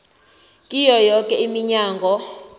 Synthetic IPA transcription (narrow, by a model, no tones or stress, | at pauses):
kʼijɔjɔkʼɛimiɲaːŋɡʱɔ